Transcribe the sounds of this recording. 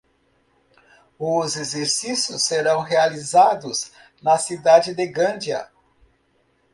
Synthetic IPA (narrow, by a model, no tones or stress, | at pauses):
ʊzezeɾsisjʊsːeɾɐ̃w̃ɦealizad̪ʊz | nɐsid̪ad͡ʒɪd̪eɡɐ̃nd͡ʒjɐ̰